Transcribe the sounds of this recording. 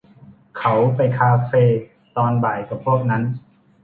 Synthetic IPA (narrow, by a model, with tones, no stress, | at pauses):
kʰa˦˥wpa˧jkʰaː˧feː˧ | t̪ɔː˧nbaː˨˩jka˨˩pʰːu˥˩ək̚na˦˥n